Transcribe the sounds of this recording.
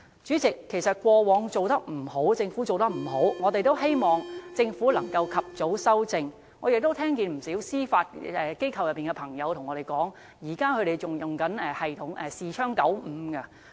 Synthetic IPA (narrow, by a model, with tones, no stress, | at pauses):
t͡ʃyː˨˥t͡sɪ˨kʰːe˨˩jsɐ˨t̚kʷɔː˧wɔː˨˥ŋt͡so˨wt̪ɐ˥k̚m̩˨˩ho˨˥wt͡sɪ˧ŋfuː˨˥t͡so˨wt̪ɐ˥k̚m̩˨˩ɦo˨˥wŋɔː˨˧t̪e˨jt̪o˥whe˥jmɔː˨ŋt͡sɪ˧ŋfu˨˥lɐ˨˩ŋkɐ˧wkʰɐ˨p̚t͡so˨˥wsɐ˥wt͡sɪ˧ŋ | ŋɔː˨˧jɪ˨k̚t̪o˥wt̪ʰɛː˥ŋkiː˨˧nm̩˨˩siː˨˥wsiː˥faː˧t̚ɛ˧ke˥jkʰɐ˨wjɐ˨˩pːiː˨˩ŋkɛ˧pʰɐ˨˩ŋjɐ˨˧wt̪ʰʊ˨˩ŋːɔ˨˧e˨jkɔː˨˥ŋ | jiː˨˩kaː˥kʰɵ˨˧ɾe˨˩jt͡sʊ˨˩ŋjʊ˨˩ŋkɐ˨˥nɛː˨hɐ˨jt̪ʰʊ˨˥ŋʔɛ˨siː˨t͡ʃʰœː˥ŋkɐ˨˥wm̩ː˨˧kɐ˧